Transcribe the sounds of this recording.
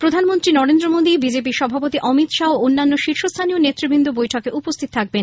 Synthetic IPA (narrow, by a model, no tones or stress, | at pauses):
pɾod̪ʱanmont̪ɾinɔɾend̪ɾomod̪ibid͡ʑep̬iɾʃɔbʱapot̪iʔɔmit̪ʃaoonːanːoʃiɾʃost̪ʰanionet̪ːɾibind̪ubojʈʰokeʔupost̪ʰit̪ot̪ʰak̚ben